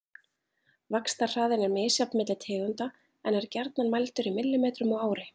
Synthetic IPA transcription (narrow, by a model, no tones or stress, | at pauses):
vakst̪ar̥aːðɪnɛɾmɪːsjapnmɪt̪lɪt̪ʰɛːɣʏnt̪a | ɛnɛɾcɛɾt̪nanmajlt̪ʏɾimɪlːɪmeːt̪ɾʏmɔɣaːwɾɪ